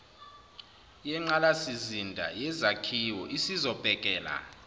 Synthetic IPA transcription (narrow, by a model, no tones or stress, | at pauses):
jɛŋ͡ǃalasizindʱa̰jɛzakʰiwɔʔisizɔb̥ʱɛkʼɛːla̰